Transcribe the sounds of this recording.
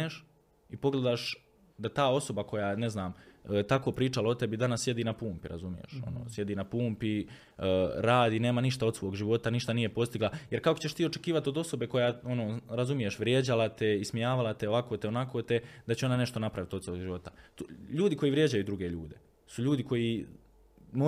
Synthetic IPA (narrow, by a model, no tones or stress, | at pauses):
eʃ | ipo̞ɡle̞d̪aːʃ | d̪at̪aːo̞so̞bako̞jaːne̞znaːmt̪ako̞ːpɾiːt͡ʃalao̞t̪e̞bid̪anasːje̞d̪iːnapuːmpiɾa̰zumijḛʃo̞̰no̰ːsje̞d̪iːnapuːmpi | ɾaːd̪iːne̞ːmaniʃt̪ao̞d̪sʋo̞ːɡʒiʋo̞t̪aniʃt̪anijepo̞st̪iɡlajeɾkakot͡ɕeʃt̪iːo̞t͡ʃekiːʋat̪o̞d̪o̞so̞be̞ko̞jaːo̞noːɾazumije̞ʃʋɾje̞d͡ʑalat̪e̞ismijaːʋalat̪e̞oʋakoːt̪eo̞nakʰoːt̪e̞d̪at͡ɕeo̞nane̞ʃt̪o̞napɾaʋit̪ot̪saoɡʒiʋo̞t̪aʎuːd̪iko̞jiːʋɾje̞d͡ʑajuːd̪ɾuɡe̞ʎuːd̪e̞ | suʎuːd̪iko̞ji | mo